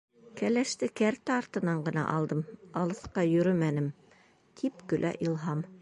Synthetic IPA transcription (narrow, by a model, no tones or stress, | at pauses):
kælæʃt̪ɘkæɾt̪æɑɾt̪ɤ̆nɑɴɢɤ̆nɑ̰ʔɑlˠd̪ɤmɑlˠɤ̆sqɑjɵ̆ɾɵmænɘm | t̪ʰipkɵ̆lʔæ̰ʔilˠɦɑm